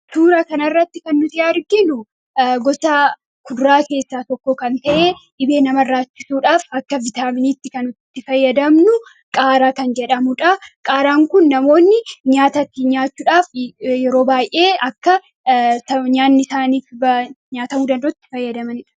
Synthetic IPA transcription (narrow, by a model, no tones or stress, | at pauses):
suːɾɐkɐnɐrːɐt̪ːɪkɐnːʊsɪjaːɾɡɪnʊ | ɡɔsaː | kʰʊd̪ʊɾaːke̞ːsːaːt̪ɔkːoːkɐnt̪ɐʔe̞ːᶑɪbe̞ːnɐmɐrːaːt͡ʃːɪsuːᶑaːfɐkːɐvɪt̪aːmɪniːt̪ːɪkɐnʊt̪t̪ːɪfɐjːɐd̪ɐmnʊ | kʼaːɾaːkɐnd͡ʒɛᶑɐmʊᶑɐkʼaːɾaːŋkʊnːɐmo̞ːnːɪɲaːt̪ɐt̪ːɪɲaːt͡ʃːuːᶑaːfjɛɾo̞ːbaːjʔe̞ːɐkːɐ | sɐɲaːnːɪsaːniːfb | ɲaːt̪ɐmuːd̪ɐnd̪oːt̪ːɪ̥fɐjːɐd̪ɐmɐnɪᶑɐ̥